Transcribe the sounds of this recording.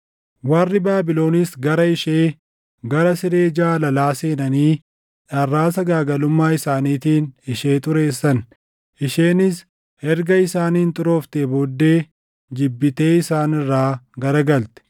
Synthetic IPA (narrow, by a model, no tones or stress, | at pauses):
wɐrːɪbaːbɪlo̞ːnɪsɡɐɾɐɪʃeː | ɡɐɾɐsɪɾe̞ːd͡ʒaːlɐlaːseːnɐniː | ᶑɐrːaːs̬ɐɡaːɡɐlʊmːaːɪsaːniːt̪iːnɪʃe̞ːt̪ʼʊɾe̞ːsːɐn | ʔɪʃe̞ːnɪs | hɛɾɡɐɪsaːniːnt̪ʼʊɾo̞ːft̪eboːd̪ːe̞ː | d͡ʒɪbːɪt̪e̞ːɪsaːnɪrːaːɡɐɾɐɡɐlt̪ɛ̥